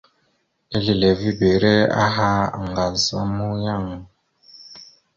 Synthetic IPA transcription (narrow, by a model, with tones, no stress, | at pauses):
e˦li˨le˨vi˦be˨˦ɾɛ˦a̰˦ɦa˦˨ŋɡa˨sa˦mu˦ja˦˨ŋ˨